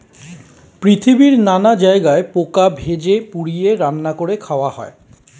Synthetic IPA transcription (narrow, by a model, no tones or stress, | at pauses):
pɾit̪ʰibiɾnanad͡ʑaeɡaepokabʱed͡ʑepuɽijeɾanːakoɾekʰaoahɔ̰e